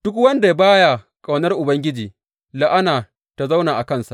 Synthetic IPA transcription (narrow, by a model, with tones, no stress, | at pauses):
d̥ʊ˦kwɐ˦nda˨ja˦baː˦ja˨ | kʼa˨wnɐ˦rʔʊ˨bɐ˦ŋɡʲɪ˦d͡ʒiː˨ | la˦ʔa˦naː˨ | ta˨za˦wnaː˨ʔa˨kɐ˦nsa˨ʔ